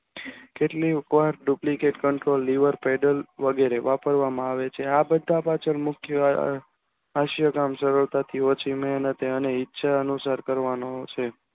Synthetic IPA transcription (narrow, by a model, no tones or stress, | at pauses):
keʈlikʋaɾɖuplikeʈkəɳʈɾolːiʋəɾpɛɖəlʋəɡeɾeʋapəɾʋamãaʋet͡ʃʰeabəd̪ʱːapat͡ʃʰəɾmʊkʰjə | aʃjəkamʃəɾəɭt̪at̪ʰiot͡ʃʰimənət̪eəneɪtːʃʰaənusaɾkəɾʋanot͡ʃʰe